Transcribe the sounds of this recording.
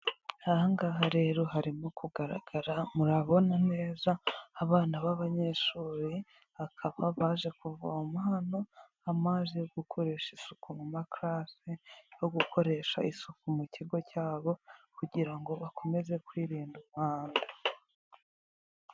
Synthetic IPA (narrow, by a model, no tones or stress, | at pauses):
haŋɡaɦaɾe̞ːɾo̞ɦaɾimokuɡaɾa̰ɡ̥aɾamuɾaβo̞nane̞ːzaːβaːnaβaβaɲe̞ʃuːɾi | akʰaβaβaːʒe̞kuva̰umaːno̞ | amazejoɡ̥ukʰo̞ɾe̞ːʃisukumumakɾasejo̞ɡukʰo̞ɾe̞ʃaisukumuciɡo̞caːβo̞kuɟiɾaŋɡo̞βako̞me̞ze̞kwiːɾiːnduβaːnda